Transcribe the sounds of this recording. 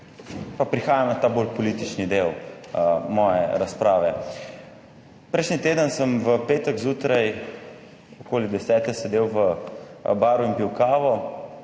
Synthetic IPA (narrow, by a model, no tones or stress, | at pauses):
papɾixaːjamnat̪aːbolpɔliːt̪it͡ʃnid̪ew | mɔːjɛ̰ɾaspɾaːʋɛ | pɾɛjʃnit̪eːd̪ənsəmʋəpeːt̪əɡzuːt̪ɾaj | ɔkoːlid̪ɛsɛːt̪ɛsɛd̪eːwʋə | baːɾuinpiwkaːʋɔ